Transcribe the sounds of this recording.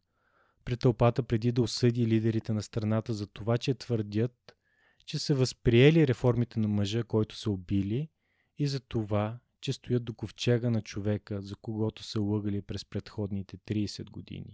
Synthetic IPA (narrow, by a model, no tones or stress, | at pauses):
pɾit̪ːɐlˠpat̪əpɾɛd̪id̪ɐosɤd̪ilid̪ɛɾit̪ɛnɐst̪ɾɐnat̪əzɐt̪ovat͡ʃɛt̪vəɾd̪ʲət̪̚ | t͡ʃɛsɛvəspɾiɛliɾɛfɔɾmit̪ɛnɐməʒəkɔjt̪ʊ̥səobiliː | zɐt̪ova | t͡ʃɛst̪ojɤt̪̚d̪okoft͡ʃɛɡənɐt͡ʃovɛkəzɐkoɡɔt̪ʊ̥səlˠɤɡəlipɾɛspɾɛt̪xɔd̪nit̪ɛt̪ɾisɛd̪ɡod̪ḭnḭ